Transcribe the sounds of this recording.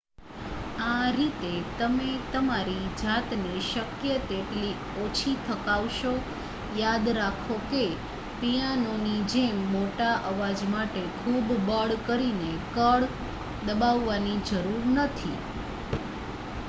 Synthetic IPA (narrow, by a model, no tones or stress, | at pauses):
aɾit̪et̪əmet̪əmaɾid͡ʒat̪neʃəkjət̪eʈli | ot͡ʃʰit̪ʰəkaʋʃo | jad̪ɾakʰoke | pijanonid͡ʒemːoʈaʔəʋad͡ʒmaʈekʰubbəɽkəɾinekəɭ | d̪əbaʋːanid͡ʒəɾuɾnət̪ʰḭ